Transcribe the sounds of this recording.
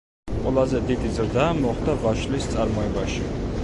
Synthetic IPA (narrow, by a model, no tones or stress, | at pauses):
qʼwɛlˠazɛd̪id̪izɾd̪amɔχd̪avaʃlist̪sʼaɾmɔɛbaʃi